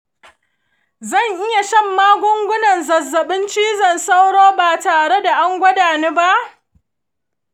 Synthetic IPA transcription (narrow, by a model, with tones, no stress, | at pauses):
zɐ˦˨ɲʔɪ˦ja˨ʃɐ˦˨mːaː˦ɡʷʊ˦ŋɡʷʊ˦nɐ˨nzɐ˨zːɐ˨ɓɪ˦nt͡ʃiː˦zɐ˨nsa˦wɽoː˦baː˨taː˨ɽe˦da˨ʔa˦ŋɡʷɐ˦daː˨neː˦ba˦ʔ